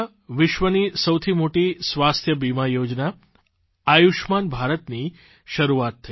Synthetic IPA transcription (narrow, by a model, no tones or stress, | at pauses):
ʋɪʃʋənisəwt̪ʰimoʈisʋast̪ʰjəbimajod͡ʒna | ajuʃmanbʱaɾət̪ni | ʃəɾuat̪ʰːə